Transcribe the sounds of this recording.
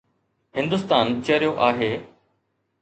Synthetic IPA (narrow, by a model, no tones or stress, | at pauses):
ɦɪ̃nd̪ʊst̪aːnt͡ɕəɾijoʔaːɦeː